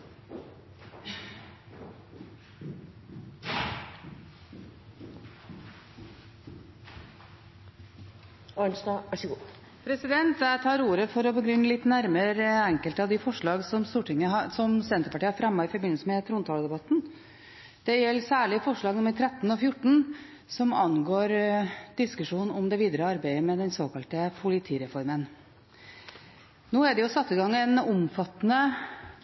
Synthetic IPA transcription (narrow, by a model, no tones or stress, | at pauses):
ɑnsd̪ɑʋæʂəɡuː | pʰɾɛsɪd̪ɛnt̪t̪ʰɑːɾuːɾəfɔɾɔbəɡɾʏnːəlɪt̪ːnæɾməɾəɛŋkəlt̪əɑʋd̪ɪfɔʂɭɑːɡsɔmst̪uːʈʰɪŋːəɑsɔmsɛnt̪ɾəpɑʈiːhɑɾfɾɑmːɑɪfɔɾbɪnlsəmɛt̪ʰɾuːnt̪ʰɑːld̪ɛbɑt̪n | d̪̥ɛjɛlːsæːɭɪfɔʂɭɑːɡnʊmːəɾʈ̪ʰɾɛt̪ːnɔfjʊʈːɳ̩ | sɔmɑnɡoːɾd̪̥ɪskʉʂuːnnɔmd̪ɛʋiːd̪əɾəɑɾbæɪəmɛd̪ɛnsoːkɑlt̪əpʰʊlɪt̪ʰiːɾɛfɔɾmən | noːæɖ̪ɛjʊsɑt̪ːɪɡɑŋːɛnʊmfɑt̪ːənə